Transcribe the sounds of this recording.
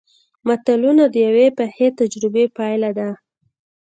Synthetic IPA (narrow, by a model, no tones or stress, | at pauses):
mat̪alunad̪əjawepaxet̪ad͡ʒɾɪbepɑjlad̪a